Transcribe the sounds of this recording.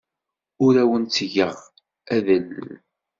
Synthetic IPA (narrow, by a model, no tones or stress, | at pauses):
ʊɾæwənt͡sːʝəʁ | æðəl